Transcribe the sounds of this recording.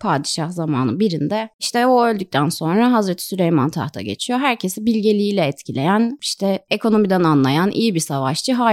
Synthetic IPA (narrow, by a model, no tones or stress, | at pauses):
pʰaːd̪iʃahzama̰ːnɯ̰biɾind̪ɛiʃt̪ʰɛoølʲd̪yc̚ʲt̪ʰænso̞nɾaɦazɾet̪ʰi̥sylʲejma̰nt̪ʰa̰ht̪ʰa̰ɟe̞̰t͡ʃʰijo̞ɦæɾcʰesibilʲɟe̞lʲiiːlʲɛɛt̪cʰilʲe̞̰jæniʃt̪ʰɛekʰo̞no̞mid̪ænanlˠajanʔḭjibisavaʃt͡ʃɯɦaː